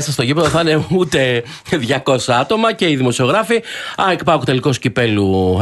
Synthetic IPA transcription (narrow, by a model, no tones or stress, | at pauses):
sɐst̪o̞ʝipɾðoθɐne̞ut̪e̞ | ðʝɐko̞sɐɐt̪o̞mɐce̞iðimo̞sio̞ɣɾɐfiɐekpɐkut̪eliko̞scipe̞lu